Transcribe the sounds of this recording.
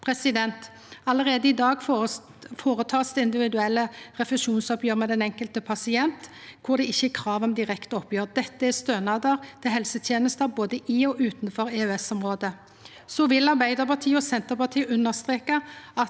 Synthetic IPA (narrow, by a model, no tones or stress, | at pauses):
pʰɾɛsɪd̪ɛnt̪ | ɑləɾeːd̪əɪd̪ɑːɡ | foːɾət̪ʰɑːsd̪ɛɪnd̪ɪʋɪd̪ʉɛlːəʁɛflɛʃuːnsɔpjøːʁmɛd̪ɛnɛŋkəlt̪əpʰɑsɪɛnt̪kʰʊʁd̪ɛɪçːəkʰʁɑːʋɔmd̪ɪʁɛkt̪əɔpːjøːʁd̪ɛt̪ːəæst̪øːnɑd̪əʁt̪ʰɪɦɛlsət̪ʰjeːnəst̪ɑboːd̪əʔɪɔʔʉːt̪nfɔɾɛœɛsɔmʁoːd̪ə | sɔʋɪlɑʁbæɪd̪əɾpʰɑt̪ʰiːəɔsɛnt̪əɾpɑt̪ʰiːəʉnːəʁst̪ʁeːkəɑt̪